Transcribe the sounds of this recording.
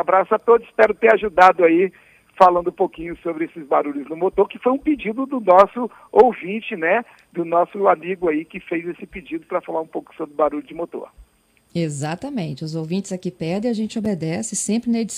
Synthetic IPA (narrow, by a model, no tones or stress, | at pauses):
abɾasʊat̪od̪ʊsspɛɾʊt̪eɾaʒud̪ad̪ʊai | falɐ̃nd̪ʊũpokĩɲʊsobɾɪesɪzbaɾuʎʊznʊmot̪oɾkɪfojũpɪd͡ʒid̪ʊd̪ʊnɔsʊ | owvĩt͡ʃɪnɛ | d̪ʊnɔsʊamiɡʊaikɪfejzesɪpɪd͡ʒid̪ʊpɾɐfalaɾũpowkʊ̥sobɾɪʊbaɾuʎʊd͡ʒɪmot̪o̰ɾ | ezat̪ɐmẽt͡ʃɪʊzowvĩnt͡ʃɪzakipɛɾd̪ẽɐaʒẽnt͡ʃɪobed̪ɛsɪsẽmpɾɪnɐed͡ʒi